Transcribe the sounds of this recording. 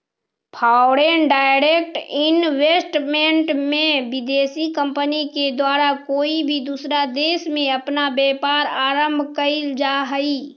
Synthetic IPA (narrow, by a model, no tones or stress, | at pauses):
pʰaːʊɾenɖaːɪɾek̚ʈɪnweːsʈmẽɳʈmẽʋɪd̪eːsikə̃mpəniked̪waːɾakoːibʱid̪usɾad̪eːsmẽɐpnabjɛːpaːɾaːɾəmbʱkəild͡ʒaɦəiː